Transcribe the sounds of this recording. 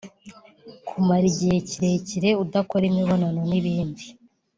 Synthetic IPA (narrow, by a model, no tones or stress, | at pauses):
kʰumaɾiɟiheciɾeciɾe̞udako̞ɾemiβo̞nanoniβiːndi